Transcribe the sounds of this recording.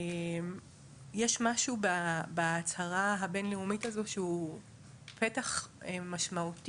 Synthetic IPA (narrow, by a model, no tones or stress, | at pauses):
em | jɛʃmaʃubabaːt͡saʁaɦabenleumitazoʃeu | petaχemaʃmaut